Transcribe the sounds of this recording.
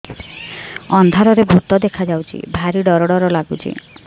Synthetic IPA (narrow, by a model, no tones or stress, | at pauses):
ɔnd̪ʱaɾɔɾebʱut̪ɔd̪ekʰad͡ʒawt͡ʃʰḭbʱaɾiɖɔɾɔɽɔɾɔlaɡut͡ʃʰḭ